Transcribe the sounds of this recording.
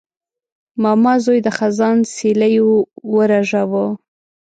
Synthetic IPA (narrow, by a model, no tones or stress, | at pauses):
mɑmɑzojd̪əxazɑnselajowəɾaʒawo